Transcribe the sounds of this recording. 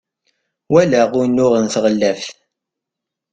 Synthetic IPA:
wælæʁʊnːʊʁənθʁəlːævθ

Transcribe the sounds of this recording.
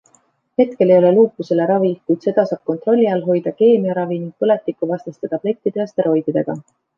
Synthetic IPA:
he̞t̪ke̞le̞jo̞le̞luːkːˑuse̞le̞ɾɑvikujd̪̥se̞d̪̥ɑsɑːb̥̚kont̪ˑro̞lʲːiɑlɦo̞jd̪̥ɑke̞ːmiɑɾɑviniŋɡ̥̚pɤlet̪ˑːikːuvɑst̪ɑst̪et̪ɑple̞t̪ʲːˑid̪eɑst̪eɾo̞jd̪̥id̪̥e̞ɡ̥ɑ̰

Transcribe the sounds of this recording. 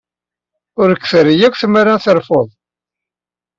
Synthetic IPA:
ʊɾəkːθəɾijækʷːθmaɾanθəɾfoðˤ

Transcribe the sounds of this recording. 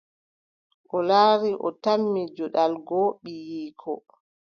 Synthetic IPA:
ʔɔlaːɾiʔɔ̰tamːid͡ʒɔɗalɡɔɓijiːkʰɔ̰

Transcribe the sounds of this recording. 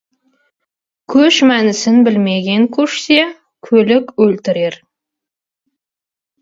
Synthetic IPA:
kʲʰɵʃmænɪsɪnbɪlme̞ɡʲe̞ŋkʲʰɵʃse | kʲʰɵlɪkʲwɵlt̪ɪɾe̞ɾ

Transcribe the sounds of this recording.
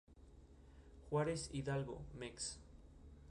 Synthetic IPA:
xwaɾesiðalɣo̰meks

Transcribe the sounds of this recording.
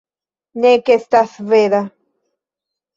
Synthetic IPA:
nekest̪asveða

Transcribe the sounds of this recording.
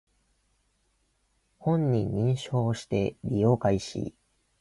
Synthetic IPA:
hõ̞ɲːĩɲːĩɰ̃ɕo̞ːɕi̥t̪e̞ɾʲijo̞ːkaiɕḭ

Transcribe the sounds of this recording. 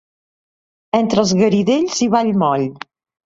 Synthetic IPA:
ɛnt̪ɾəlˠzɣəɾiðeʎziβaʎmɔʎ

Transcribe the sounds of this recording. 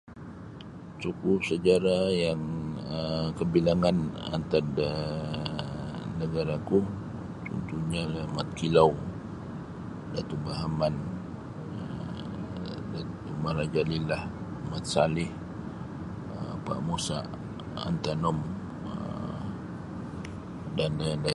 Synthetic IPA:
t͡ʃukusəd͡ʒaɾajaŋəkəbilaŋana̰nt̪at̪ə | nəɡaɾaku | t͡ʃɔ̰nt̪uɲamat̪̚kilaw | dat̪ubaɦaman | dat̪umaɾad͡ʒalilah | mat̪̚salɪh | əpa̰ʔmusa̰ʔ | a̰nt̪anɔm | ə̰ | dandada

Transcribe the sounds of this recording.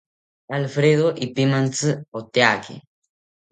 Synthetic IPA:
alfɾeðoʔipimãnt͡sɨot̪eakḛ

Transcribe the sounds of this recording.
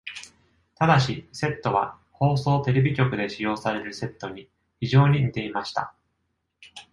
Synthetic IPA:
t̪ad̪aɕise̞t̪ːo̞βa̰ | ho̞ːso̞ːt̪e̞ɾe̞bʲikʲo̞kɯ̟d̪e̞ɕijo̞ːsaɾe̞ɾɯ̟se̞t̪ːo̞ɲ̟i | çiʑo̞ːɲ̟iɲʲit̪e̞imaɕi̥t̪a̰

